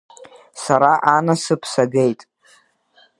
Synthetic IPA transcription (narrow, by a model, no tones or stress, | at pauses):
saɾaʔanasɨpʰsaɡe̞jtʼ